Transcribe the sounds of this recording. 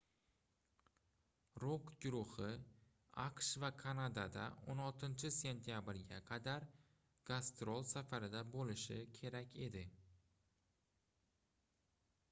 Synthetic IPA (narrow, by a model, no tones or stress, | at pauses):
ɾoqɡʲʊɾʊhɪ | aqʃvakʰanad̪ad̪a̰onɒlˠt̪ʰɪnt͡ʃʰɪse̞nt̪ʰijabɾɡʲaqʰɑd̪aɾ | ɡ̥ast̪ɾolˠsafaɾɪd̪abolɪʃɪkʲʰe̞ɾakʲʰe̞d̪ɪ